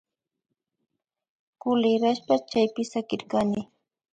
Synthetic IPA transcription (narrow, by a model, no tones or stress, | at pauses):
kʊlɪɾaʃpat͡ʃajpɪsakɪɾkanɪ